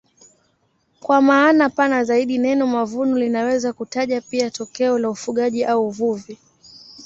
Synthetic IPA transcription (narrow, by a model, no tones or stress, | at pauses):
kwamaːnapanazaiɗinɛnɔmavunulinawɛzakutaʄapiatɔkɛɔlaufuɠaʄiʔauːvuvi